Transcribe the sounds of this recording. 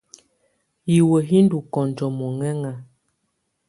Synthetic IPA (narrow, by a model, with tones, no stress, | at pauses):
ji˨wə˨ɦi˦ndu˨kɔ˨n˨d͡ʒɔ˨mɔ˨ŋɛ˦ŋa˨